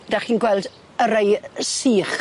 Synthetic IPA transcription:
d̥aχiːnɡwɛlˠd | əɾejsiːχ

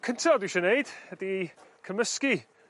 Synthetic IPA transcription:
kʰəntʰɛlˠduʃɛneɨd̥hədikʰəməski

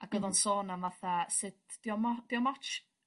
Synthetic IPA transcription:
aɡ̥əðɔnsoːnamvaθasɨdd̥jɔmɔd̥iɔmɔt͡ʃ

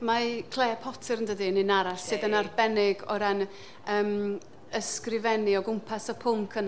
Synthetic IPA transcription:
makʰlˠeːpʰɔtʰɪɾəndədinɪnaɾassɨðənarbɛnɪɡɔɾan | əːm | əskrɪvɛniɔɡʊmpʰasəpʰʊmkʰən

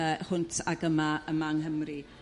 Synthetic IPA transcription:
əhʊntʰaɡəmaəmaŋhəmri

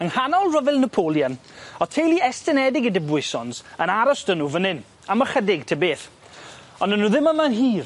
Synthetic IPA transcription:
əŋhanɔlˠrəvɪlˠnəpʰoːlˠjənɔtʰejlˠiɛstɪnɛdɪɡədɪbwɪsɔnsənaɾɔsd̥ənuvənɪn | aməχədɪɡ̚tʰəbeːθ | ɔnənuðɪməmanɦiːr

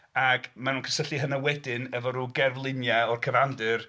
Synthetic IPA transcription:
aɡmanuːnkʰə̥səɬiɦənawɛdɪnɛvɔɾuɡɛrvlˠɪnjɛɔrkʰəvandɨr

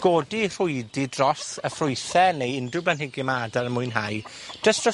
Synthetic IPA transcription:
ɡ̥oːdir̥ʊɨdɪdrɔsəfrʊjθɛnejɪndʊblanhɪɡimaːdaɾəmʊɨnɦaj | d̥əstʰɔ

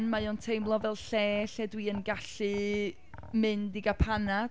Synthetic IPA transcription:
nmajontʰejmlˠɔvɛlˠɬɛːɬɛdwiənɡaɬɨ | mɨndiɡapʰana

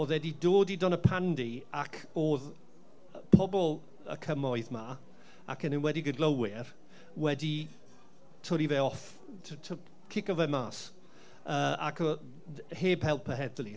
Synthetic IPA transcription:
oːðwɛdidoːdidɔnəpʰandiakʰoːð | pʰɔbɔlˠ | ə̰kʰəmɔɨðma | a̰kʰənənwɛdiɡəɡləwɪr | wɛdi | tʰɔɾiveɔf | tʰtʰ | kʰɪkɔvɛmaːs | əːa̰kʰɔ | heːbhɛlˠpʰəɦɛðlˠi

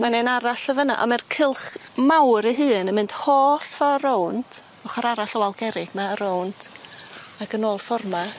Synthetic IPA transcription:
manenaɾaɬəvəna̰ʔɔ̰mɛrkʰɪlˠχmawɾiɦɨːnəmɨnd̥hoːɬfaɾowntʰ | ʊχaɾaɾaɬɔwalˠɡɛɾɪɡ̥maəɾowntʰ | aɡənoːlˠfɔrma

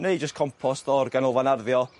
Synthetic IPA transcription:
nejd͡ʒəskʰɔmpʰɔstɔrɡanɔvanarðjɔ

